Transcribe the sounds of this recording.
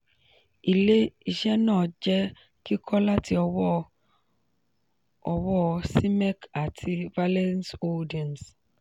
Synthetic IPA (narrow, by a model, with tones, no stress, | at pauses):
i˨le˦i˨ʃɛ˦nɔ˦˨d͡ʒɛ˦ | ki˦kʰɔ˦la˦tʰi˨ɔ˨w | ɔ˨wɔ˦si˦mɛ˦ka˨tʰi˦va˦lɛ˦nso˦di˨ɛ˨ns